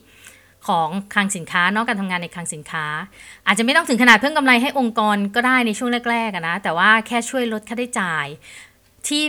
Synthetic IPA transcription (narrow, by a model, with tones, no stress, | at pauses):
kʰɔː˩˦ŋkʰaː˧ŋsi˨˩˦nkʰaː˦˥nɔ˦˥kaː˧t̪ʰa˧ŋaː˧nːa˧jkʰaː˧ŋsi˩˦nkʰaː˦˥ʔaː˨˩t̪̚a˨ma˥˩t̪ɔ˥ŋt̪ʰɯ˩˦ŋkʰnaː˨˩t̪pʰɯ˥˩ŋka˧mla˧jɦa˥˩jʔo˧ŋkɔː˧nkɔː˥˩daː˥˩jna˧jt͡ɕʰu˥˩əŋɾɛː˥˩k̚ɾɛː˥˩k̚a˨˩na˦˥t̪ɛː˨˩waː˥˩kʰɛː˥˩t͡ɕʰu˥˩əjɾo˦˥t̪̚kʰa˥˩da˥˩jt͡ɕaː˧j | t̪ʰiː˥˩